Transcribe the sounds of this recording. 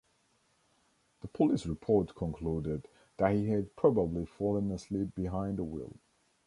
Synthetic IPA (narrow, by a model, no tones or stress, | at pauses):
ðəpʰəlisɹɨpʰɔɹtkʰə̃nkʰl̥udɪd̪ | ðət̚hiɨd̚pʰɹ̥ɑbəblifɔlˠə̃nəslip̚b̥ɨɦãɪ̃ndəwɪ̰lˠ